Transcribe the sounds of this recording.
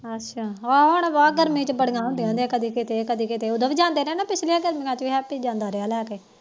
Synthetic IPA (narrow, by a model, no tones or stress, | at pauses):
ətːʃʰaːaɦʊɳʋaːɡəɾmĩːt͡ʃbəɽɡãːɦõnd̪eãːnd̪ẽːkəd̪iːkɪt̪eːkəd̪iːkɪt̪eːʊd̪əbd͡ʒãːnd̪eːnẽːnaːpɪt͡ʃʰliãːɡəɾmĩːãːt͡ʃiːɦɛːpiːd͡ʒãːnd̪aːɾeaːlɛːkeː